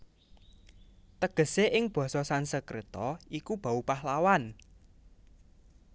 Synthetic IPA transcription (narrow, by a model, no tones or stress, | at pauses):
t̪əɡ̥ə̤seʔɪŋb̥ɔ̤sɔsansəkɾet̪ɔikub̥a̤upahlawan